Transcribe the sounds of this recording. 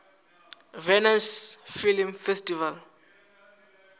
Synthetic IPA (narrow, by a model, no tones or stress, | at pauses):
vɛnasfilimfɛstʼival